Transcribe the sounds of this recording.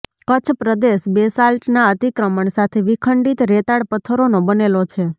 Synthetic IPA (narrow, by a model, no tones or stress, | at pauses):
kət͡ʃʰpɾəd̪eʃbesalʈnaət̪ikɾəməɳsat̪ʰeʋikʰəɳɖit̪ɾet̪aɽpət̪ʰəɾonobənelot͡ʃʰe